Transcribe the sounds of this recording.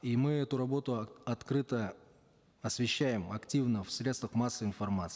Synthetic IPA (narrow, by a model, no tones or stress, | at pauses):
imɨɛt̪ʊɾɐbo̞t̪ʊɐt̪kɾɨt̪ə | ɐsvʲɪɕːæjɪmɐktʲivnəfsɾʲe̞t̪st̪vəxmasːəɪnfɐrmat̪sɨː